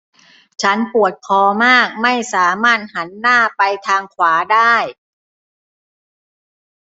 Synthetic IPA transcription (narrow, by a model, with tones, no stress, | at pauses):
t͡ɕʰa˦˥npu˨˩ət̪̚kʰɔː˧maː˥˩k̚ma˥˩jsaː˩˦maː˥˩t̪̚ha˩˦nːaː˥˩pa˧jt̪ʰaː˧ŋkʰwaː˩˦daː˥˩j